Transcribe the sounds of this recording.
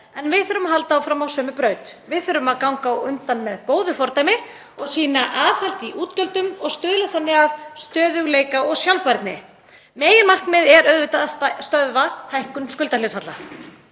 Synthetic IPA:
ɛnvɪðθœɾʏmaɦal̪t̪aːwfɾamawsœːmʏpɾœːɥt̪vɪðθœɾʏmaðkawŋkawʏnt̪anmɛðkoːwðʏfɔɾt̪ajmɪ | ɔɣsiːnaʔaːθhalt̪iʔuːt̪cœlt̪ʏmɔɣst̪ʏːðlaθanːɪavst̪œːðʏɣleːjkaɔɣsjawlpaɾt̪nɪ̰ | meːjɪɾmar̥knmɪðɛɾœðvɪt̪aðast̪œðvahajhkʏnskʏlt̪alɪːt̪fat̪la

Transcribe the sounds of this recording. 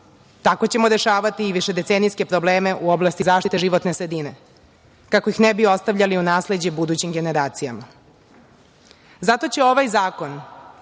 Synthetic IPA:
t̪ako̞t͡ɕe̞mo̞ɾe̞ʃaːʋat̪iːʋiʃe̞d̪e̞t̪senijske̞pɾo̞bleːme̞ʔuo̞blˠast̪izaːʃt̪it̪eʒiʋo̞t̪ne̞sɾe̞d̪ine̞ | kakoixnebio̞st̪aʋʎaliunaːsle̞d͡ʑebud̪ut͡ɕimɡe̞ne̞ɾaːt̪sijama | zat̪o̞t͡ɕe̞o̞ʋajzaːko̞n

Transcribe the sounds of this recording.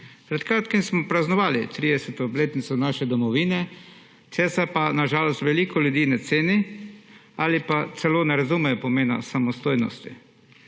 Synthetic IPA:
pɾɛt̪kɾaːt̪kimsmɔpɾaznɔʋaːlit̪ɾiːd̪ɛsɛt̪obleːt̪nit̪sɔnaːʃɛd̪ɔmɔʋiːnɛ | t͡ʃ̪ɛsɛpanaʒaːlɔst̪ʋɛliːkɔljud̪iːnɛt̪seːni | aːlipat̪sɛloːnɛɾazumɛjɔpɔmeːna̰samɔst̪oːjnɔ̰st̪ḭ

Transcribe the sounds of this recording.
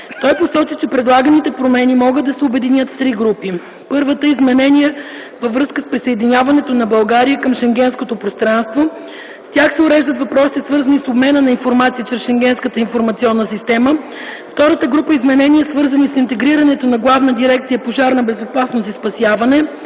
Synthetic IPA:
t̪ɔjposɔt͡ʃit͡ʃɛpɾɛd̪lˠaɡənit̪ɛpɾomɛnimɔɡəd̪ːɐsɛʊbɛd̪inʲjət̪ft̪ɾiɡɾupi | pɤɾvət̪əizmɛnɛniɛ | vəvɾɤskəspɾisɐɛd̪inʲjavɐnɛt̪onɐbɐlˠɡaɾijəkəmʃɛŋɡʲɛnskot̪opɾost̪ɾanst̪vo | st̪ʲaxsɛʊɾɛʒd̪ət̪vɐpɾɔsi̥t̪ɛsvɤɾzɐnisobmɛnənɐinfoɾmat̪siət͡ʃɾɛsʃɛŋɡʲɛnskət̪əinfoɾmɐt̪siɔnːəsist̪ɛmə | ft̪ɔɾət̪əɡɾupəizmɛnɛnʲiɛsvɤɾzɐnisint̪ɛɡɾiɾɐnɛt̪onɐɡlˠavnəd̪iɾɛk̚t̪sijəpoʒaɾnɐbɛzopasnosispɐsjavɐnɛ

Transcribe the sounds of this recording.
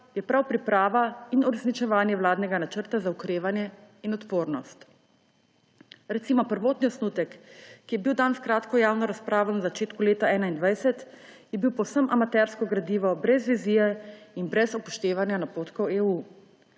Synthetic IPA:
jɛpɾawpɾipɾaːʋainuɾɛsnit͡ʃɛʋaːnjɛʋwlaːd̪nɛɡanat͡ʃəɾt̪azaukɾeːʋanjɛ | inɔt̪poːɾnɔst̪ | ɾɛt̪siːmɔpəɾʋoːt̪niɔsnuːt̪ɛkːijɛbiwd̪anskɾaːt̪kɔjaːwnɔɾaspɾaːʋɔnzat͡ʃeːt̪kuleːt̪aɛːnaind̪ʋajsɛt̪ | jɛbiwpɔwsəmʔamat̪ɛɾskɔɡɾad̪iːʋɔbɾɛzʋizijɛinbɾɛzɔpɔʃt̪eːʋanjanapoːt̪kɔweːuː

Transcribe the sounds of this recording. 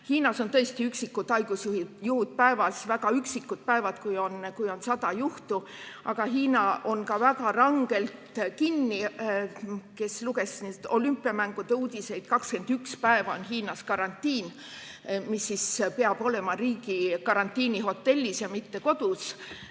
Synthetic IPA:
hiːnɑso̞nt̪ɤ̞est̪iyksikːut̪ːɑjɡ̥usjuhijuhud̪̥̚pæevɑsvæɡ̥ɑyksikːˑut̪̚pæevɑt̪kujo̞nkujo̞nsɑd̪̥ɑjuht̪uʔɑ̰ɡ̥ɑɦiːnɑʔo̞nkɑvæɡɑrɑŋɡ̥e̞lt̪kinːi | ke̞sluɡ̥e̞sniːd̪̥o̞lympːˑiɑmæŋɡ̥ud̪euːd̪̥ʲise̞jd̪̥kɑkske̞nd̪ykspæevɑonɦiːnɑskɑɾɑnʲt̪ʲːˑiːn | misːispeɑb̥o̞le̞mɑɾiːɡ̥ikɑɾɑnt̪ʲːiːniɦo̞t̪ːe̞lʲːisjɑmit̪ːe̞ko̞d̪̥us

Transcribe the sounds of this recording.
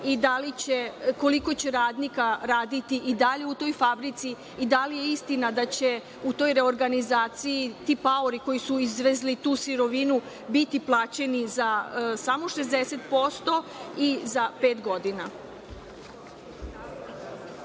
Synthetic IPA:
id̪alit͡ɕeko̞liko̞t͡ɕe̞ɾaːd̪nikaɾaːd̪it̪iʔid̪aʎe̞ut̪o̞jfabɾit̪siː | d̪alije̞ist̪inad̪at͡ɕe | ut̪o̞jɾe̞o̞ɾɡanizaːt̪sijit̪ipaoɾiko̞jisuizʋe̞zlit̪uːsiɾo̞ʋinu | bit̪iplˠaːt͡ɕe̞nizasamoʃe̞zd̪e̞se̞t̪po̞st̪o̞izape̞ːt̪ɡo̞d̪ina

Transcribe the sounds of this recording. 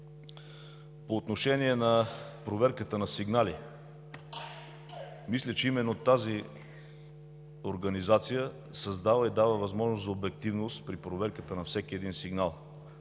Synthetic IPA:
poːt̪noʃɛniɛnɐpɾovɛɾkət̪ənɐsiɡnali | mislʲət͡ʃɛimɛnːot̪azi | oɾɡɐnizat̪sijə | sɐzd̪avəid̪avəvɐzmɔʒnoszɐobɛk̚t̪ivnost̪pɾipɾovɛɾkət̪ənɐfsɛk̟iɛd̪insiɡnalˠ

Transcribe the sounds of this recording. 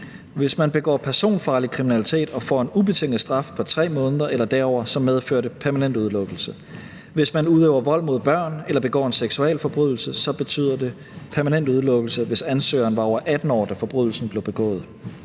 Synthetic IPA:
ʋe̝smænb̥e̝ɡ̥ɔ̰ːpʰæɐso̝̰ːnfɑ̈ːlikʰʁiminælit͡sʰe̝̰ːd̥ɒ̽fɒ̰ːe̝nub̥e̝t͡sʰe̝ŋ̰ð̩ˠsd̥ʁɑ̈fpʰɒ̽t͡sʰʁɛ̰ːmɔ̽ːnəðˠɐʔelɐd̥æɐɒ̰ʊɐsɒ̽mːeð̞ˠføɐ̰ɾəpʰæɐmænend̥uð̞ˠlɔ̽ɡ̥l̩sə | ʋe̝smænuð̞ˠøːʊɐʋɒ̽l̰mo̝ð̞ˠb̥ɶɐ̰nelɐb̥e̝ɡ̥ɒ̰ːe̝nseɡ̥suɛlfɒ̽b̥ʁyð̞̰ˠl̩səsɒ̽b̥e̝t͡sʰy̰ð̰ˠɐde̝ | pʰæɐmænen̰d̥uð̞ˠlɔ̽ɡ̥l̩səʋe̝sænsø̰ːɐnʋɑ̈ɒʊɐʔæd̥n̩ɒ̰ːd̥æfɒ̽b̥ʁyðˠl̩sn̩b̥le̝ʊb̥e̝ɡ̥ɔ̰̽ːð̩ˠ

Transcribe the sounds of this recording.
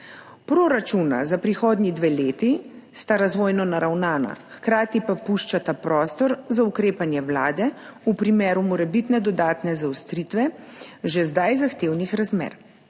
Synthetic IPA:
pɾoɾat͡ʃuna̰zapɾixoːd̪nid̪ʋeːleːt̪ist̪aɾazʋoːjnɔnaɾawnaːna̰xkɾaːt̪ipapuʃt͡ʃat̪apɾɔːst̪ɔɾzaukɾeːpanjɛʋlaːd̪ɛupɾimeːɾumɔɾɛbit̪nɛd̪ɔd̪aːt̪nɛzawst̪ɾit̪ʋɛʒɛzd̪ajzaxt̪eːwnixɾazmḛːɾ

